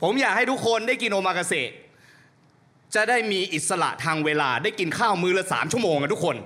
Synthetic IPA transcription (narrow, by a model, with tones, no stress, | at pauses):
pʰo˩˦mjaː˨˩k̚ha˥˩jt̪u˦˥kʰːo˧ndaː˥˩jki˧nʔoː˧maː˧ka˧seː˨˩t̪̚ | t͡ɕa˨˩daː˥˩jmiː˧ʔi˨˩t̪̚sa˧la̰˨˩ʔt̪ʰaː˧ŋweː˧laː˧da˥˩jki˧nkʰaː˥˩wmɯː˦˥la˦˥sa̰ː˩˦mt͡ɕʰu˥˩moː˧ŋka˧t̪ʰu˦˥kʰo˧n